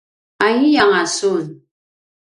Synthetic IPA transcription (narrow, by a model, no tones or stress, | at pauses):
aɲijaŋasun